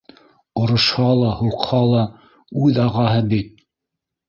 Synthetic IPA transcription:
ŏɾŏʃhɑlˠɑhuqhɑlˠɑ | ʉðɑʁɑɦɤbit̪̚

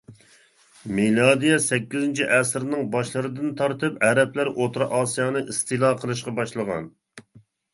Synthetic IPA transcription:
milˠɑd̪ijɛsɛkʲːizɪnt͡ʃʰiʔɛsɾnɨŋbɑʃlˠɨɾɨd̪ɨnt̪ʰɑɾt̪ɨpɛɾɛplæɾot̪ɾɑʔɑːsijɑːnɨʔist̪ʰɨlˠɑqʰəlˠɨʃ̬qɑbɑʃlˠəʁɑ̰n

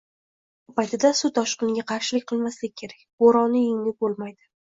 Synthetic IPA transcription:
pajt̪ʰɪd̪asʊt̪ʰɒʃqɨnɪɡʲaqʰɑɾʃɪlɪkʲqʰɨlˠmaslɪk̚ʲkʰʲːe̞ɾak̚ʲboɾɒnɪjɪŋlɪp̚bolˠmajd̪ɪ

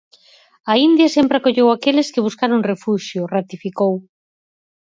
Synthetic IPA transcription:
ɐind̪jɐsempɾɪakoʎewakelɪskɪβ̞uskaɾoŋrefuʃjʊrat̪ifikow

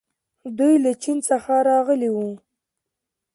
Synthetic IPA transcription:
d̪ujlat͡ʃinsəxaɾɑɣəliwu

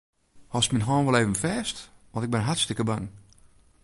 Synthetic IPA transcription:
hɔsminɦɔːnʋɔleːvənfɛːstʋɔ̃ntɪk̚bɪnɦatstɪkəbaŋ

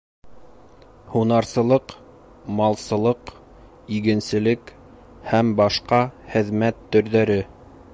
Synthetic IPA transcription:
hunɑɾsɤ̆lˠɤq | mɑlˠsɤ̆lˠɤq | iɡɘ̆nsɘ̆lɘk | hæmbɑʃqɑhɘ̆ðmæt̪ːɵ̆ɾðæɾɘ

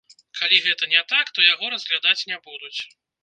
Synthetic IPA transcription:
kʰalʲiɣɛt̪ɐnʲɛt̪akt̪ɔjaɣɔɾɐzɣlʲad̪at͡sʲnʲɛbud̪ut͡sʲ

